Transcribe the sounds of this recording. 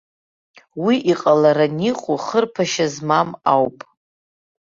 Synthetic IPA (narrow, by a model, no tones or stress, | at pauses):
wiʔiqʼalaɾaniqʼuχərpʰaʃazmamawpʼ